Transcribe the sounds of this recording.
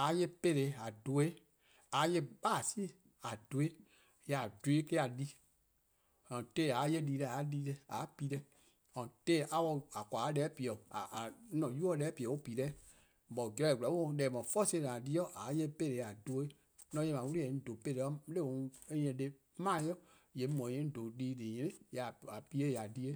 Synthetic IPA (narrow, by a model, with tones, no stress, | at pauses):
a˨˦je˧pe˦˧˨ɾe˨a˨do˨e˦ | a˨˦je˧ɓaː˦˨si˦˨ | a˨do˨e˦ | ja˨du˨e˦ke˦a˨li˦ | ã˨te˦˨a˨˦je˧˦liː˧lɛ˧a˨˦liː˧˦lɛ˧a̰˨˦pi˨˦ɾɛ˧ | ɔ̃˨teː˦ʔa˧˦wɔ˧a˨kʷa˨˦lɛː˨˦pi˨ɔ˨a˨˦nɔ̃˨ju˦ɔ˦lɛː˨˦pi˨ɔ˨o˦piː˨lɛ˦˨ | bɔ˨ɡɛ˧˦ɛ˦˨ɡu˨a˨˦o˦ɔ̃˧˨˦lɛː˨mɔ̃˨fɔ˦sẽ˧˦˨lã˨di˧˦ɔ˦ʔa˨˦je˦pe˦˨le˨a˨do˧˨˦e˦ | nɔ̃˧˦je˧˨mã˨˦wu˦ɾi˦ɛ̃˨˦n̩˦do˨pe˧˦˨ɾɛ˧˦le˦˨wõ˨e˦jɛ̃˧de˧˦ | mã˦˨˦jɔ˦˨ | je˨˦mɔ̃˨jɛ̃˦n̩˦do˨liː˦li˨ɲɛ̃˧nĩ˦ja˨a˨pi˦e˦ja˨di˧˦e˦